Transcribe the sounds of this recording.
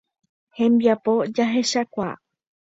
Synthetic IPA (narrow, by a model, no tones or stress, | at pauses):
hẽ̞mbiapo̞d͡ʒaɦe̞ʃakʷa̰